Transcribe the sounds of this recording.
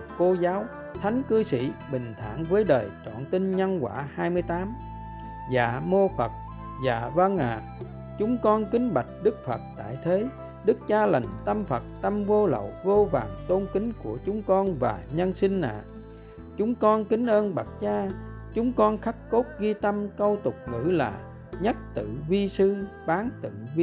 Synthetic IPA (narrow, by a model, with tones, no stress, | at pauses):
ko˧zaː˨˦w | t̪ʰa˨˦jŋ̟kɨ˧sḭ˧˩˥ɓï˨˩ŋ̟t̪ʰa̰ː˧˥ŋvəː˨˦jɗəː˨˩jt͡ɕɔ̰˧˨nt̪i˧nɲa˧nkwaː˧˩haː˧jmɨ˧əjt̪aː˨˦m | za̰ː˧˩mo˧fə˨˩t̚ | zaː˧˩və˧ŋʔa̰ː˧˨ | t͡ɕʊ˨˦ŋ͡mkɔ˧nkï˨˦ŋ̟ɓa˨˩k̚ɗɨ˦˥k̚fə˨˩t̚t̪a̰ː˧˨jt̪ʰe˨˦ | ɗɨ˦˥k̚t͡ɕaː˧la˨˩jŋt̪ə˧mfə˨˩t̚t̪ə˧mvo˧lə̰˧˨wvo˧vaː˨˩ŋt̪o˧nkï˨˦ŋku˧˩ət͡ɕʊ˨˦ŋ͡mkɔ˧nvaː˨˩ɲə˧nsi˧ŋ̟na̰ː˧˨ | t͡ɕʊ˨˦ŋ͡mkɔ˧nkï˨˦ŋ̟ʔəː˧nɓa˨˩t̚t͡ɕaː˧ | t͡ɕʊ˨˦ŋ͡mkɔ˧nxa˦˥k̚ko˦˥t̚ɣi˧t̪ə˧mkə˧wt̪ʊ˨˩k͡p̚ŋɨ̰˧˥la̰ː˨˩ | ɲə˦˥t̚t̪ɨ̰˧˨vi˧sɨ˧ | ɓaː˨˦ŋt̪ɨ̰˧˨v